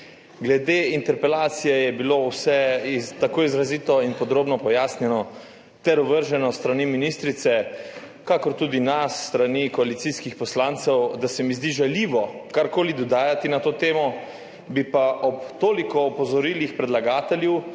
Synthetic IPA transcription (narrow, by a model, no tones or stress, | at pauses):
ɡlɛd̪eːint̪ɛɾpɛlaːt̪sijɛjɛbilowsɛt̪akoːizɾaziːt̪ɔinpɔd̪ɾoːbnɔpɔjaːsnjɛnɔ | t̪ɛɾɔʋəɾʒɛnɔst̪ɾaniminist̪ɾit̪sɛ | kakɔɾt̪uːd̪inasːt̪ɾanikɔalit̪siskixpɔslaːnt̪sɛwd̪asɛmizd̪iʒɛliːʋɔkaɾkoːlid̪ɔd̪aːjat̪inat̪oːt̪eːmɔ | bipaʔɔpt̪oːlikɔːpɔzɔɾiːlixpɾɛd̪laɡaːt̪ɛljɛw